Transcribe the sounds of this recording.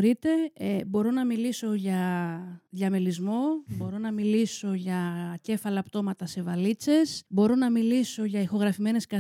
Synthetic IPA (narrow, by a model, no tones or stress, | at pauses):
ɾit̪e̞ebo̞ɾo̞nɐmiliso̞ʝɐ | ðʝɐmelizmo̞bo̞ɾo̞nɐmiliso̞ʝɐce̞fɐlɐpt̪o̞mɐt̪ɐse̞vɐlit͡se̞sbo̞ɾo̞nɐmiliso̞ʝɐixo̞ɣɾɐfime̞ne̞skɐ